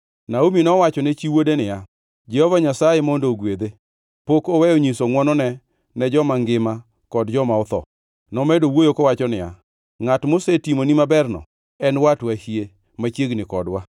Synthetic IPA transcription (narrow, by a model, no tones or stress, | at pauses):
naominɔwat͡ʃɔnɛt͡ʃiwodenɪja | d͡ʒɛhɔvaɲasajemɔndoːɡwed̪e | pokɔwɛjoɲisoŋwɔnɔnɛ | nɛd͡ʒɔmaŋɡɪma | kɔdd͡ʒɔmaɔt̪ɔ̰ | nɔmɛdowojokɔwat͡ʃɔnɪja̰ | ŋatmosetimonimabɛrnɔ̰ | ɛnwatwahie | mat͡ʃjeɡnɪkɔdwa